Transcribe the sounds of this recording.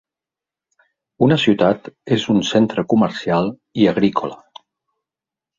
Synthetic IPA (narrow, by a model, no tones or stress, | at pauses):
unəsiut̪at̪ezunsent̪ɾəkuməɾsialˠ | iəɣ̞ɾikʰolə